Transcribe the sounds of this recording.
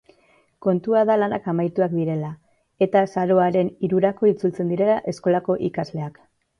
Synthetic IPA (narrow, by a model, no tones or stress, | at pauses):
ko̞nt̪uaðalanakamajt̪uak̚d̪iɾe̞la | e̞t̪asaɾo̞aɾe̞niɾuɾako̞it͡sult͡se̞nd̪iɾe̞laʔe̞sko̞lako̞ʔikazle̞ak